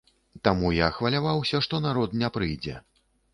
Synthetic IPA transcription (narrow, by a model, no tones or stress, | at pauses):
t̪amujaxvɐlʲavawsʲɐʂt̪ɔnaɾɔt̪nʲɛpɾɨjd͡zʲɛ̰